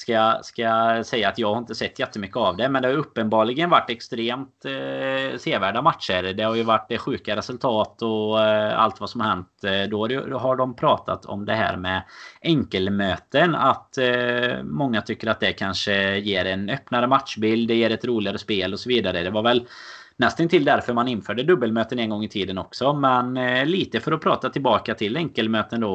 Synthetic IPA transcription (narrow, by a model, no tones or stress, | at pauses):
skaskasɛjːaːt̪jɑːɡhaɾɪnt̪əsɛt̪ːjɛt̪ːəmʏkːəavd̪ɛmɛnd̪ɛhajɵpːənbɑːɭɪɡənvaʈːɛkst̪ɾeːmt̪ | seːvæːɖamat̪ʂəɾd̪ɛhaɾjɵvaʈːɛɧʉ̟ːkaɾɛsɵlt̪ʰɑːt̪ɔa̰lt̪vasɔmhahɛnt̪d̪ɔaɾjɦaɖɔmpʰɾɑːt̪ʰa̰t̪ʰɔ̰md̪ɛɦæ̰ːɾmɛɛŋkəlmøːt̪əna̰t̪ | mɔŋːat̪ʰʏkːəɾat̪̚d̪ɛkʰanʂəjeːɾɛnœpnaɾəmat̪ʂbɪld̪ːɛjeːɾɛt̪ɾuːlɪɡaɾəspeːlɔsɔviːd̪aɾəd̪ɛvaɾvɛl | nɛst̪ənt̪ʰɪld̪æɾfœɾmanɪnːføːɖəd̪ɵbːəlmøːt̪ənɛnɡɔŋːɪt̪ʰiːd̪ənɔksɔmɛnːiːt̪əfœɾɔpʰɾɑ̰ːt̪at̪ʰɪlbɑːkat̪ʰɪlɛŋkəlmøːt̪ənd̪ɔ